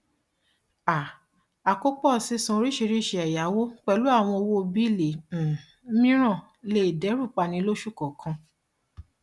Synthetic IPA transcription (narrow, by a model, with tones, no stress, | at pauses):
a˨ | a˨ko˦k͡pɔ˦˨si˨˦sũ˧ɾi˦ʃi˧ɾi˦˨ʃe˧˦ɛ˨ja˨˦wo˦k͡pɛ˧˨lu˨˦a˦˨w̃ɔ̃˧o˧wo˦o˧bi˦˨le˨˦ | mĩ˦ɾ̃ã˦˨ | le˦˨dɛ˨˦ɾu˦˨k͡pa˧˨nĩ˧˦lo˦ʃu˦˨kɔ˨kʰã˧